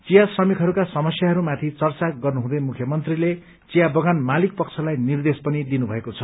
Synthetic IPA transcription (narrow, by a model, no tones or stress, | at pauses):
t͡sijasrʌmikɦʌɾukasʌmʌsjaɦʌɾumat̪ʰit͡sʌrt͡saɡʌrnuɦũd̪ʌjmukʰjʌmʌnt̪rile | t͡sijabʌɡanmalik̚pʌk̚t͡sʰʌlajnird̪espʌnid̪inubʱʌekot͡sʰʌ